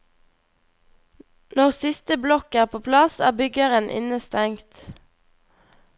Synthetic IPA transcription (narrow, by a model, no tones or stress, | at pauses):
nɔʁsɪst̪əblɔkæːʁpʰoːpʰlɑsæ̰ːbʏɡəʁənʔɪ̰nəst̪ɛŋkt̪